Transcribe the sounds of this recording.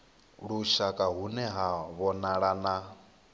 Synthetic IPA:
ɺuʃakʼaɦunɛɦaβɔnaɺana

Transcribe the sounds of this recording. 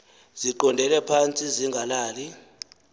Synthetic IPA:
ziǃɔndʱɛlɛpʰant͡sʼiziŋɡʱalaːli

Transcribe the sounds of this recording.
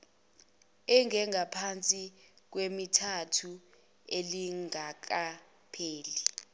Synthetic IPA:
ɛŋʱɛŋʱapʰant͡sʼik̬wemitʰatʰu | eliŋak̬a | pʰeːli

